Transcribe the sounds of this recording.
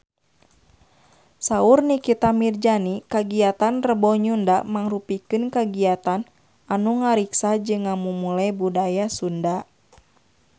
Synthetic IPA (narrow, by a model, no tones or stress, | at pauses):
saurnikit̪amird͡ʒanikaɡiat̪anrəbɔɲundamaŋrupikɨnkaɡiat̪an | anuŋaɾiksad͡ʒɨŋːamumulajbudajasunda